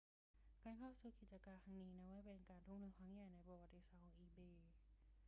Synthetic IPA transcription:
kaː˧˩nkʰa˥˩wsuː˨˩ki˨˩t̪̚t͡ɕa˧kaː˧nt̪ʰa˧˩ŋniː˦˥nɛ˦˥waː˧˥˩jpe˧nkaː˨nt̪ʰu˥˩˨ŋnɯː˧˥˨kʰa˧˦˥ŋjaː˨˩jna˧˩jpɔ˧wa˨˧˩t̪ːi˧˩saː˨˧˩o˧˩ŋʔiː˧˩beː˧˩

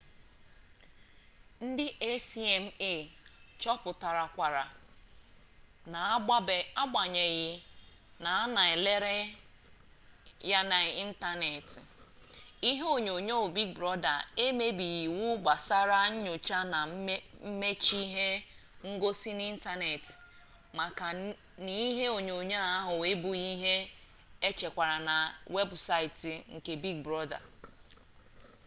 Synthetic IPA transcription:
n̩˦dɪ˦ʔe˦si˦e˨m̩˦e˦˨t͡ʃɔ˦pʊ˨ta˨ɾa˨kʷa˨ɾa˨ | na˨˦˨a˦ɡ͡ba˨ɲe˨ɣɪ˦ | na˨a˦na˨e˨le˦ɾe˦ | ja˦na˨i˦n̩˦ta˦ne˨ti˨ | i˦ɦo˦˨ɲo˨ɲo˦˨bi˦kbɾɔ˦da̰˨e˦me˦bi˨ji˨wʊ˦ɡ͡ba˨sa˦ɾa˦ɲ̩˦ɲo˨t͡ʃa˦na˨˦m̩˦me˦t͡ʃi˦ɦe˦ | ŋ̩˦ɡo˦si˦n˦i˦n̩˦ta˦ne˨t | ma˨ka˨ | ni˦i˦ɦe˦o˨ɲo˨ɲa˦a˦ɦʊ˨e˦bʊ˨i˦ɦe˦ | e˦t͡ʃe˨kʷa˨ɾa˨na˨we˦bsa˦ɪ˨ti˨ŋ̩˨ke˨bi˦ɡ̚bɾɔ˦da̰˨

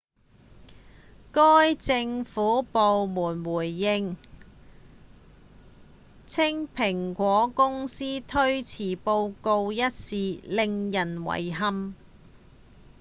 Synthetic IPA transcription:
kɔː˥jt͡sɪ˧ŋfuː˨˥po˨wmuː˨˩nwuː˨˩jːɪ˧ŋ | t͡sʰɪ˥ŋpʰɪ˨˩ŋkʷɔː˨˥kʊ˥ŋsiː˥t̪ʰɵ˥ɥt͡sʰiː˨˩po˧wko˧wjɐ˥t̚siː˨lɪ˨˧ŋjɐ˨˩nwɐ̰˨˩jɦɐ˧m

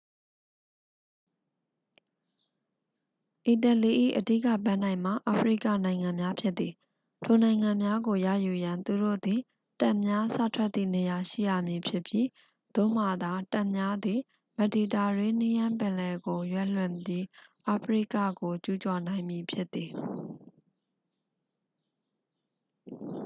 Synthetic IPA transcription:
ʔi˨tə˨li˨ʔḭ˦˨ʔədi˦˨kä̰˦˨bã˦˨n̥ã˨ɪ̃m̥a̰˦˨ʔa˨pʰəɹḭ˦˨kä̰˦˨nã˨ɪ̃ŋã˨mja˦pʰjɪ˦t̪t̪ːi˨ | tʰo˨nã˨ɪ̃ŋã˨mja˦ɡo˨ja̰˦˨ju˨jã˨nt̪u˨do̰˦˨d̪i˨ | ta˦˨mja˦sä̰˦˨tʰwɛ˦t̪ːḭ˦˨ne˨ja˨ʃḭ˦˨ja̰˦˨mji˨pʰjɪ˦˨pji˦ | d̪̥o̰˦˨m̥a˦˨d̪a˦tã˦ʔmja˦d̪ði˨ | mə˨di˨ta˨ɹe˦˨ni˦jã˦mpɪ̃˨lɛ˨ɡo˨jwɛ˦˨l̥wɪ̃˨mi˦ʔa˨pʰəɹḭ˦˨ka̰˦˨ɡo˨t͡ɕu˦t͡ɕɔ˨nã˨ɪ̃mji˨pʰjɪ˦t̪ːi˨

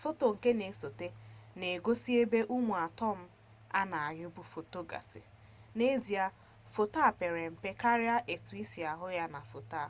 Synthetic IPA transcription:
fo˦to˨ŋ̩˨ke˦ne˨˦so˨te˦ne˨ɡo˦si˦e˦be˦ʔu˦mu˨a˨tɔ˦˨m̩˦ | a˦na˨a˨ɾʊ˦bu˦fo˨to˦ɡa̰˨sɪ̰˨ | ne˦zi˨a˦ | fo˨ta˦˨pe˨ɾe˨m̩˨pe˦ka˦ɾja˦ʔe˨tu˨i˦si˨a˨ɦʊ˦ja˦na˨fo˨ta˦˨

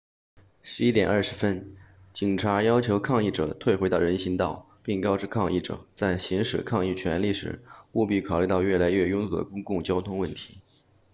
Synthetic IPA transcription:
ʂɻ̩˧˥i˥t̪jɛ˨˩nʔɐ˞˥˩ʂɻ̩˧˥fə˥n | t͡ɕi˨˩ŋʈ͡ʂʰa˧˥jɑ˥ʊt͡ɕʰjo˧˥ʊkʰɑ˥˧ŋi˥˩ʈ͡ʂɤ̰˨˩t̪ʰwe˥˩ɪxwe˧˥ɪt̪ɑ˥˩ɻə˧˥nɕi˧˥ŋt̪ɑ˥˩˧ʊ | pi˥˩ŋkɑ˥ʊʈ͡ʂɻ̩˥˧kʰɑ˥˧ŋi˥˩ʈ͡ʂɤ̰˨˩t͡sa˥˩ɪɕi˧˥ŋʂɻ̩˨˩kʰɑ˥˧ŋi˥˩t͡ɕʰɥɛ˧˥nli˥˩ʂɻ̩̰˧˥xu˥˧pi˥˩kʰɑ˨˩li˥t̪ɑ˥˧ʊɥɛ˥˩la˧˥ɪɥɛ˥˧jʊ˥ŋt̪u˥˩d̪ə̰˩kʊ˥ŋkʊ˥˩ŋt͡ɕjɑ˥ʊt̪ʰʊ˥ŋwə˥˩nt̪ʰi̥˧˥

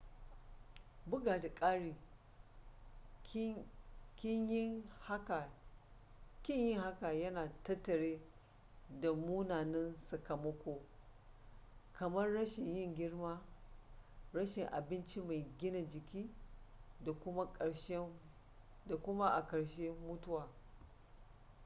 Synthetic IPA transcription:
bʊ˦ɡaː˨da˨kʼaː˦ɽiː˨˦ | kʲɪ˦ɲjha˦ka˨ | kʲɪ˦ɲjɪ˦ŋɦa˦ka˨jɐ˦naː˨tɐ˦tːɐ˨ɽeː˦ | da˨mu˦naː˨nɛ˦nsɐ˨kɐ˨mɐ˦kʷoː˦ | kʰɐ˨mɐ˦rːɐ˦ʃɪ˨ɲjɪ˦˨ŋɡʲɪ˦ɽmaː˦ | ɾɐ˦ʃɪ˨ŋʔa̰˨bɪ˦nt͡ʃi˦ma˨jɡʲɪ˦na˨d͡ʒɪ˨kʲiː˦ | da˨kʷʊ˦ma˦kʼɐ˨ɽʃe˦ | da˨kʷʊ˦ma˦ʔa˨kɐ˨ɽʃe˦mʊ˦tʊ˦waː˨

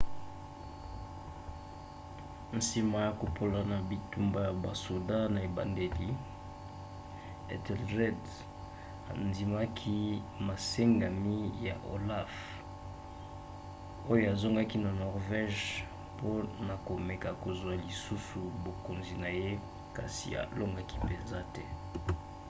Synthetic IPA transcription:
n̩˨si˨ma˨˦ja˨ko˨po˨la˨na˨bi˨tu˦mba˦ja˨ba˨su˨dã˦na˨e˨ba̰˨nde˨li˦ | ḛ˨tɛ˨lʁɛ˦d | a̰˨ndi˨ma˦kʰi˦ma˨se˦ŋɡa˨mi˦ja̰˨ʔo̰˨la˦f | o˦jo˦a˨zo˦ŋɡa˦ki˦na˨nɔ˨ʁvɛ˦ʒ | po˦na˨ko˨me˨ka˨ko˨zwa˨li˨su˦su˨bo˨ko˨nzi˨na˨je˦ | ka˨sḭ˨a̰˨lo˦ŋɡa˦ki̥˦pe˨nza˦tɛ˦

